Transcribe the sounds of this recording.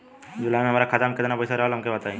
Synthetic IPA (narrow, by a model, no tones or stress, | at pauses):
d͡ʒʊlamẽɐmaːɾakʰaːt̪amket̪napɐjsaɾɐɦlɦɐmkebɐt̪aẽ